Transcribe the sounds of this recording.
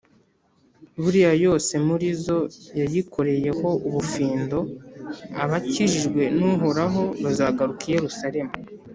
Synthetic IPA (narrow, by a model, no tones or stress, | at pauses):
βuɾijajo̞ːse̞muɾizo̞jajikʰo̞ɾe̞je̞ho̞ʔuβufiːndo̞ | a̰βaciʒiʒɡwe̞nuɦo̞ɾaɦo̞βazaːɡaɾukije̞ɾusaɾe̞mu